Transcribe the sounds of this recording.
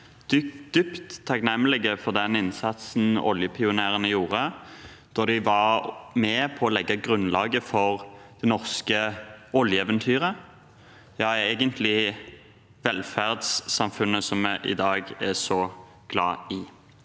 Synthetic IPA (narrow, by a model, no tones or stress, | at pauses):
d̪̥ʏd̪̥ʏpt̪ʰːɑknɛməlɪɡəfɔʁd̪ɛnɪnsɑt̪sn̩ɔ̰ljəpʰɪʊneːʁənəjuːʁə | d̪̥ɔʁd̪ɪʋɑʁmɛpʰɔːlɛɡːɑɡɾʉnlɑːɡəfɔʁd̪̥ɛnɔʁskəɔljəɛːʋənt̪ʰyːʁə | jɑːeːɡənt̪ʰlɪ | ʋɛlfæʁd̪sːɑmfʉnːəsɔmːɛʔɪ̰d̪ɑːɡɛsɔ | ɡ̥lɑ̰ːɪ